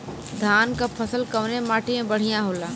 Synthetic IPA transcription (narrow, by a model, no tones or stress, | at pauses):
d̪ʱaːnkapʰəsəlkəʋnemaːʈiẽbəɽ̤ijãɦoːlaː